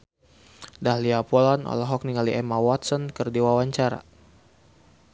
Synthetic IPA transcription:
dahliapɔlanɔ̰laɦɔk̚niŋaliʔɛmawɔt̪sɔnkɨrdiwawaɲt͡ʃaɾa̰

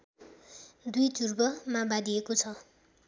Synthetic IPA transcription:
d̪ujt͡surbʌmabad̪iekot͡sʰʌ

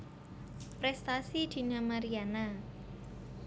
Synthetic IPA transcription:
pɾɛst̪asid̪̥i̤namaɾiana

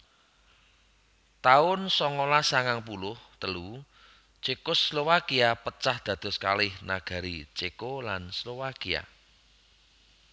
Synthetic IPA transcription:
t̪aʊnsɔŋolasaŋaŋp̬ulʊht̪əlu | t͡ʃekʊslowakiapət͡ʃahd̪̥a̤d̪̥ɔ̤ska̰lɪhna̰ɡ̥a̤ɾit͡ʃekolanslowakia̰

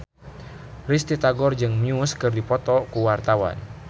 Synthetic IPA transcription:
rist̪it̪aɡɔrd͡ʒɨŋmiuskɨrdipɔt̪ɔkuwart̪awa̰n

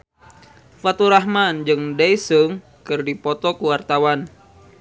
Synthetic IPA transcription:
fat̪uɾaɦmand͡ʒɨŋdajsəŋ | kɨrdipɔt̪ɔkuwart̪awan

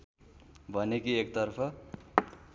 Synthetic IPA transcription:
bʱʌnekiekt̪ʌrpʰʌ

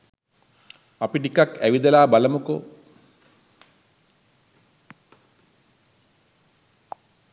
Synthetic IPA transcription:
apiʈikakæʋid̪ɐlaːbalɐmuko

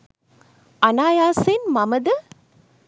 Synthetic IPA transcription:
ɐnaːjaːseːnmɐmɐd̪ɨ

